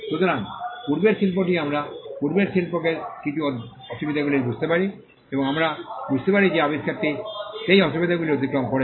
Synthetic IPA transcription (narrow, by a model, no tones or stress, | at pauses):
ʃut̪oɾaŋpuɾbeɾʃilpoʈiamɾapuɾbeɾsilpokeɾkiʈu | ɔʃubid̪ʱaɡuliɾbud͡ʑʱt̪epaɾi | eboŋamɾabud͡ʑʱt̪epaɾid͡ʑeabiskʰaɾt̪ːiʃejɔʃubid̪ʱaɡuliɾod̪ʱikɾomkoɾe